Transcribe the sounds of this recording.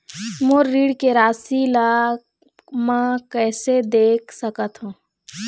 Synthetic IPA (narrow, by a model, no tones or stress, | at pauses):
moɾːiːɽkeɾaːsila | mə̃kɛːsed̪eːkʰsəkət̪ɦũː